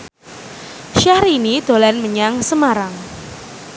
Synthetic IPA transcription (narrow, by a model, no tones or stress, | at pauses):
ʃahɾinid̪̥o̤lanməɲaŋsəmaɾaŋ